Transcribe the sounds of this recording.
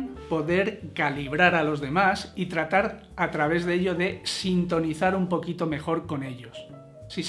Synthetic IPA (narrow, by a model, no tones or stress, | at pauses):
po̞ðe̞ɾkaliβ̞ɾaɾalo̞zðe̞masit̪ɾat̪aɾ | at̪ɾaβ̞e̞zðeʎo̞ðe̞sint̪o̞niθaɾumpo̞kit̪o̞me̞xo̞ɾko̞ne̞ʎo̞s | sis